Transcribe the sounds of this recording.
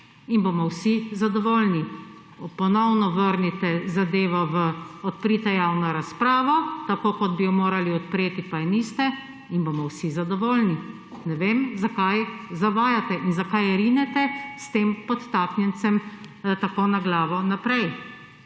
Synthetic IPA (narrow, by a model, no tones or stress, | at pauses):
inbomɔwsizad̪ɔʋoːlni | pɔnɔwnɔʋəɾnit̪ɛzad̪eːʋɔʋəɔt̪pɾit̪ɛjaːwnɔɾaspɾaːʋɔt̪akokɔd̪bijɔmoːɾaliɔt̪̚pɾeːt̪ipajɛnist̪ɛ | inboːmɔwsizad̪ɔʋoːlni | nɛʋeːmzakajzaʋaːjat̪ɛʔinzakajɾinɛt̪ɛst̪eːmpɔt̪ːaːknjɛnt̪sɛm | t̪akonaɡlaːʋɔnapɾɛj